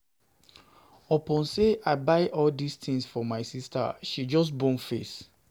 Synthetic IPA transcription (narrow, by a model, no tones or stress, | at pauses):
ɔpɔ̃nseʔaɪbaɪʔɔldistʰĩŋsfɔmaɪsista̰ʃid͡ʒɔs̬bõnfes